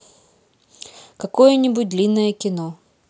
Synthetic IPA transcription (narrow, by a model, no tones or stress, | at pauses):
kɐkojənʲɪbʊt̚ʲd̪lʲinːəjəkʲɪno